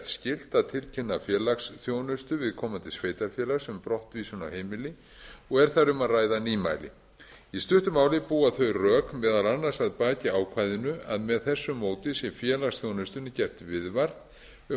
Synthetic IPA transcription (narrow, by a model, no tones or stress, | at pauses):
t̪scɪl̥t̪aðt̪ʰɪlcʰɪnːafjɛːlaksθjoːwnʏst̪ʏvɪðkʰɔːmant̪ɪ̥sveːjt̪aɾfjɛːlaksʏmpɾɔht̪viːsʏna̰wheːjmɪlɪ | ɔɣɛɾ̥θaɾʏmaðraːjðaniːma̰jlɪ̰ | ist̪ʏht̪ʏmaːwlɪpuːaθœɥrœːkmɛːðalanːasaðpaːcɪaːwkʰvajðɪnʏa̰ðmɛðθɛsːʏmoːwt̪ɪsjɛmfjɛːlaksθjownʏst̪ʏnʏcɛr̥t̪vɪðvaɾ̥t̪ | ʏ